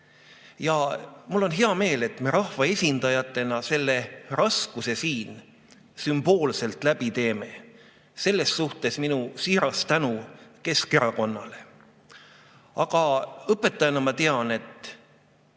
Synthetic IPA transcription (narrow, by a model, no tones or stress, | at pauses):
jɑmulːo̞nɦe̞ɑme̞ːle̞t̪me̞ɾɑhvɑe̞sʲind̪̥ɑjɑt̪ːˑe̞nɑse̞lːe̞rɑskuse̞siːn | symb̥o̞ːlse̞lt̪ˑlæb̥it̪e̞ːme̞ | se̞lːe̞ssuht̪e̞sminusiːɾɑst̪ænuke̞ske̞ɾɑko̞nːɑle̞ | ɑɡ̥ɑɤpːˑe̞t̪ːˑɑjɑnɑmɑt̪e̞ɑne̞t̪ːˑ